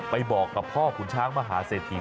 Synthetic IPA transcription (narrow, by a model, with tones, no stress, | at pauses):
pa˧jbɔː˨˩kːa˨˩p̚ʰɔː˥˩kʰu˨˩˦nt͡ɕʰaː˦˥ŋma˧ɦaː˩˦seː˨˩t̪̚ʰːiː˨˩